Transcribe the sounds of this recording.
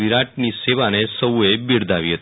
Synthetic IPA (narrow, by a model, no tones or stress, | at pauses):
iɾaʈ̚niːseʋanesəwʋebiɽd̪aʋiɦet̪